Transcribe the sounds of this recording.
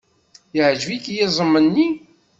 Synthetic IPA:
jəʕʒvikjɪzˤəmːənːi

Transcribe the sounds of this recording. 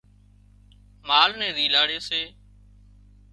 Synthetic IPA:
maːlnɛ̃ːd̪iːlaːɽeːseː

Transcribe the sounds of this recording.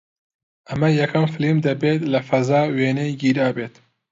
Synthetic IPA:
ʔɐmɐjɐkʰɐmfɨlimd̪ɐbeːt̪lɐfɐzaːweːnejɡiːɾaːbeːt̪

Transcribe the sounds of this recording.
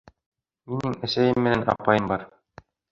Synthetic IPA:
minɘŋæsæjɘmːɘ̆nænɑ̰pɑjɤmbɑɾ

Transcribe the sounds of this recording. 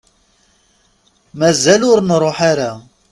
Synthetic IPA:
mæzælʊɾnɾˤoħaɾa

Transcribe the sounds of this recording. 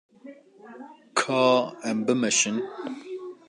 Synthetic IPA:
kʰɑːɛmbɨmɨʃɪn

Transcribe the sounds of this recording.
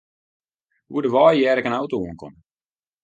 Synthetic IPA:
huədəʋɔːjjɛːɾɛkənawtouənkɔ̰m

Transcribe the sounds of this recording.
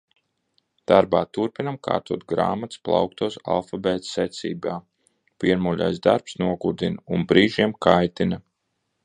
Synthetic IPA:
d̪̥aɾbaːt̪uɾpinamka̰ːɾt̪uɔt̪̚ɡɾa̰ːmat̪splˠa̰wk̚t̪uɔsa̰lˠfabɛːt̪sɛt̪sʲḭːbaː | piɛɾmulʲa̰jzd̪aɾpsnuɔɡuɾd̪inunbɾiːʒiɛmkajt̪inɐ

